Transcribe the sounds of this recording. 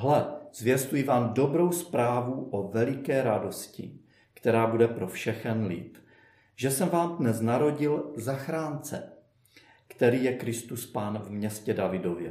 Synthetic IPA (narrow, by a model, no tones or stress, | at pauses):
ɦlɛz̥vjɛst̪ujɪvaːmdo̞bɾo̞wspɾaːvuʔovɛlɪkɛːɾado̞scɪ̰ | kt̪ɛɾaːbudɛpɾo̞fʃɛxɛnlɪ̰t̪ | ʒɛsɛmvaːmdnɛznaɾo̞ɟɪlzaxɾaːnt͡sɛ̰ | kt̪ɛɾiːjɛkɾɪst̪uspaːnvmɲɛscɛdavɪdo̞vjɛ̰